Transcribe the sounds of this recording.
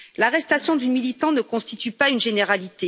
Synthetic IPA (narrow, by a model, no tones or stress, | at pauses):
laʁɛst̪asjɔ̃d̪ynmilit̪ɑ̃nəkɔ̃st̪it̪ypaynʒeneʁalit̪e